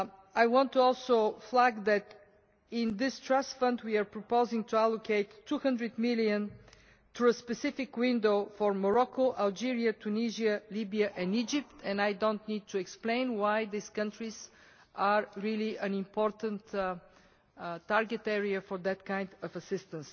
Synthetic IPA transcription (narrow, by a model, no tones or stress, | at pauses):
ajwɑ̃ntʰːuɔlˠsoʊflæɡðæt̪ | ɪ̃nðɪstɹastfʌ̃ndwiəɹpɹɔpoʊzɪ̃ŋtʰuælˠokʰeɪtʰːuhʌ̃ndɹɨd̪mɪlˠiɨ̃n | tʰuəspɛsɪfɪkwɪ̃ndoʊfɔɹməɹɔkoʔalˠd͡ʒiɹiət̪ʰuniʒiəlibiəʔɛ̃nid͡ʒɪp̚t̪ʰɛ̃najdõʊ̃ntnid̪̚tʰuɛksplẽɪ̃nwajðiskʌ̃ntɹiz̥ | ʔəɹɹilˠiʔə̃nɪ̃mpʰɔɹt̪ə̃nt | taɹɡɛt̪ɛɹiəfɔɹðɨt̪̚kãɪ̃nd̪ʌvəsɪst̪ə̃ns